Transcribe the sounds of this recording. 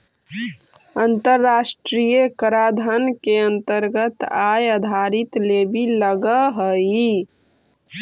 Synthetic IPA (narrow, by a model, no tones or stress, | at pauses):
ənt̪əɾːaːsʈɾijəkəɾaːd̪ʱənkeənt̪əɾɡət̪ajəd̪ʱaɾit̪lebiləɡəɦəi